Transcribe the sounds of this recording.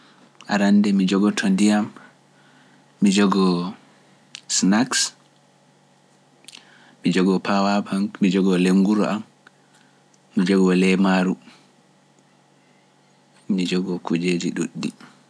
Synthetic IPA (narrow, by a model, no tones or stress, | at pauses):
ʔa̰ɾandɛmid͡ʒɔɡɔtʰɔndijam | id͡ʒɔɡɔ | snaks | mid͡ʒɔɡɔpawabaŋmid͡ʒɔɡɔleŋɡuɾɔ̰ʔam | id͡ʒɔɡɔlɛmaɾu | mid͡ʒɔɡɔkud͡ʒed͡ʒiɗuɗːḭ